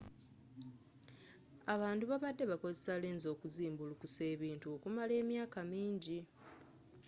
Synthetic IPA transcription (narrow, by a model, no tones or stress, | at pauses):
aβaːntuβaβadːe̞βako̞zesaleːnzo̞ːkuziːmbulukuse̞ːβiːntuokumale̞ːmjaːkamiːɲɟi